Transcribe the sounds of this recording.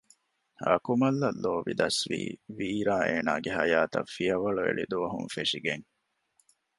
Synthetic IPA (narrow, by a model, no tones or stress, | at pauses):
ɐ̰kumɐlːɐlːoːʋid̪ɐsʋḭːʋiːɾaːʔeːnaːɡeɦɐjaːt̪ɐ̰fːiɐʋɐɭuḛɭid̪uʋɐɦunfeʂiɡeŋ